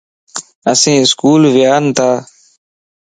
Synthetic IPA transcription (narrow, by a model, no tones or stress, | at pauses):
əsĩːɪskuːlʋɪjaːnt̪ʰaː